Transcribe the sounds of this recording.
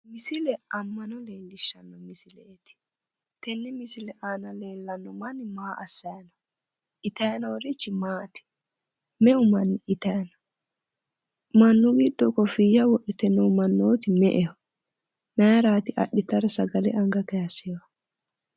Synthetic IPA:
mɪsɪlɛɐmːɐnɔleːlːɪʃːɐnːɔmɪsɪlɛt̪ɪ̥ | t̪ɛnːɛmɪsɪlɛʔaːnɐleːlːɐnːɔmɐnːɪmaːʔɐsːɐjɐnɐ | ʔɪt̪ɐjɐnɐwɾɪt͡ʃːɪmaːt̪ɪ̥ | mɛʊmɐnːɪɪt̪ɐjɐnɐ | mɐnːʊɡid̪ːɔkɔfɪjɐwɔɗɪt̪ɛnːɛʊmɐnːoːt̪ɪmɛʔɛhɔ | mɛɾaːt̪ɪʔɐ̰ɗːɪt̪ɐɾɛsɐɡɐlɛ̰ʔɐŋɡɐkɛjɐsːewɐ

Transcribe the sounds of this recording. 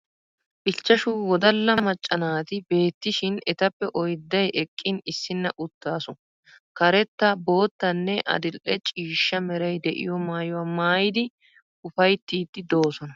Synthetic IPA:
ʔɪt͡ʃːɐʃuwɔd̪ɐlːɐmɐt͡ʃʼːɐnaːt̪ɪbe̞ːt̪ːɪʃɪnɛt̪ɐpːɛʔɔjd̪ːɐjʔɛkʼːɪnɪsːɪnːɐʔʊt̪ːaːsʊ | kɐɾɛt̪ːɐbo̞ːt̪ːɐnːɛʔɐ̰d̪ɪlʔɛt͡ʃʼiːʃːɐmɛɾɐjd̪ɛʔɪ̰jɔmaːjʊwaːmaːjɪd̪ɪ | ʊfɐjt̪ːiːd̪ːɪd̪o̞ːsɔnɐ

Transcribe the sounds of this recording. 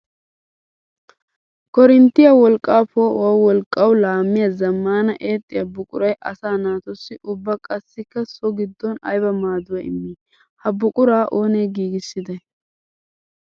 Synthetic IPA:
kɔɾɪnt̪ːɪjɐwɔlkʼːaːpoːwɐwɔlkʼːɐwʊlaːmːɪjɐzɐmːaːnɐʔeːt̪ʼːɪjɐbʊkʼʊ̰ɾɐjʔɐsaːnaːt̪ɔsːɪʔʊbːɐkʼɐsːɪkːɐsɔɡɪd̪ːɔnɐ̰jbɐmaːd̪ʊwɐɪ̰mːiː | hɐbʊkʼʊɾaːʔo̞ːneːɡiːɡɪsːɪd̪ɐj

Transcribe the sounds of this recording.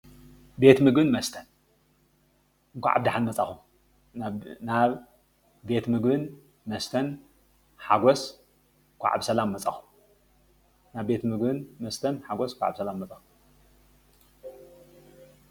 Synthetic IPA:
be̞t̪mɨɡbɨnmɐst̪ʰɐn | ɨŋkʷʰa̰ʕʔa̰bd̪aħanmɐt͡sʼaxu | naβː | e̞t̪mɨɡbɨn | mɐst̪ʰɐn | ħaɡos | kʷʰa̰ʕa̰bsɐlamːɐt͡sʼaxu̥ | naβbe̞t̪mɨɡbɨnmɐst̪ʰɐnħaɡoskʷʰaʕa̰βsɐlamːɐt͡sʼaxu̥

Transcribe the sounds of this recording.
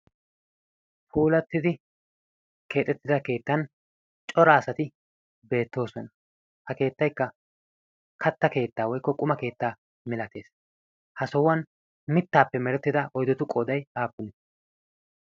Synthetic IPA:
fʰuːlɐt̪ːɪd̪ɪ | ke̞ːt̪ʼːɛt̪ːɪd̪ɐke̞ːt̪ːɐn | t͡ʃʼɔɾɐːsɐt̪ɪ | be̞ːt̪ːo̞ːsɔnɐ | hɐke̞ːt̪ːɐjkːɐ | kʰɐt̪ːɐke̞ːt̪ːaːwɔjkːɔkʼʊmɐke̞ːt̪ːaː | mɪlɐt̪e̞ːs | hɐsɔwɐn | mɪt̪ːaːpːɛmɛɾɛt̪ːɪd̪ɐʔɔjd̪ɔt̪ʊkʼɔːd̪ɐjaːpːʊnɪ

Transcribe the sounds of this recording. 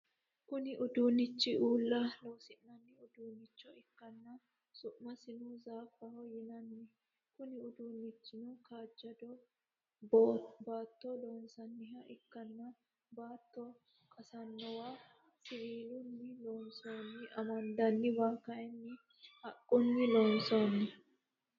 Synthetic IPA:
kʊnɪʔʊd̪uːnɪt͡ʃːɪʔuːlːɐloːsɪnɐnːɪʊd̪uːnɪt͡ʃːɔɪkːɐnːɐ | sʊʔmɐsɪnuzaːfːɐhɔjɪnɐnːɛ | kʊnɪʊd̪uːnːɪt͡ʃːɪnʊkaːd͡ʒːɐd̪ɔ | baːt̪ːɔloːnsɐnːɪɦɐʔɪkːɐnːɐ | baːt̪ːɔ | kʼɐsɐnːɔwaː | sɪɡiːlʊnːɪloːnsnːɪʔɐmɐnd̪ɐnːɪbaːkɐʔɛnːɪ | hɐkʼːʊnːɪloːnsonːɪ

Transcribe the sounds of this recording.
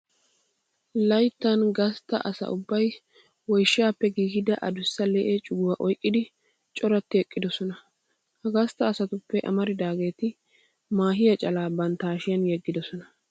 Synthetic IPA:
lɐjt̪ːɐnɡɐst̪ːɐ̰ʔɐsɐ̰ʔʊbːɐj | wɔjʃːɪjaːpːɛɡiːhɪd̪ɐʔɐd̪ʊsːɐlɛʔet͡ʃʼʊɡʊwɐʔɔjkʼːɪd̪ɪ | t͡ʃʼɔɾɐt̪ːɪɛkʼːɪd̪ɔsɔnɐ | hɐɡɐst̪ːɐːsɐt̪ʊpːɛʔɐ̰mɐɾɪd̪aːɡe̞ːt̪ɪ | maːɦɪjɐt͡ʃʼɐlaːbɐnt̪aːʃɪjɐnjɛɡːɪd̪ɔsɔnɐ

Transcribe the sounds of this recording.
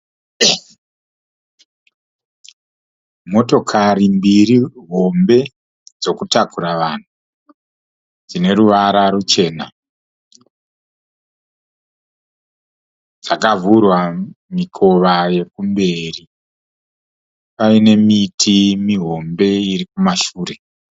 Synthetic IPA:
mo̞to̞kʰarimbiriɦo̞mbe̞ | d͡zo̞kutakuɾaʋan̤u | d͡zine̞ɾuʋaɾaɾut͡ʃe̞ːna | d͡zakavurwamikʰo̞ʋaje̞kumbe̞ri | paine̞mitʰimiɦo̞mbe̞irikumaʃuːre̞

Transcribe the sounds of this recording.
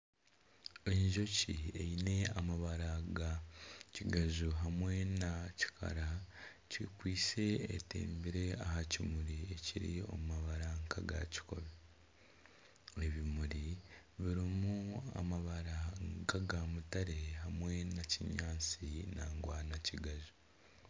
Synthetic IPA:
eɲʒo̞cieine̞amaβaɾaɡaciɡazuɦamwe̞naci̥kʰa̰ɾa | cikwiːse̞ḛtḛːmbiɾe̞ahacimuɾie̞ciɾḭo̞̰mumaβaɾaŋkʰaɡa̰ci̥ko̞̰βe | eβimuɾiβiɾimua̰maβaɾaŋkaɡamutaɾe̞ɦamwe̞naciɲaːt͡sinaːŋɡwaːnaciɡaʒu

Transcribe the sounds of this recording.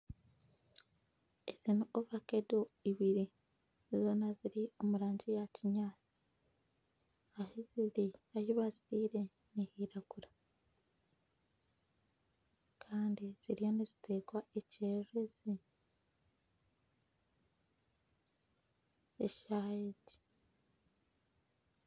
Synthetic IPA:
ez̥inooβakedoiβiɾi | zo̞ːnaziɾio̞muɾaːɲɟijaciɲaːt͡si̥ | aheziɾiajuβazitiːɾe̞ | nihiːɾaɡ̥uɾa | kʰaːndiz̥iɾijo̞nizite̞ːɡwaeceːʒezi | eʃajeɟi̥

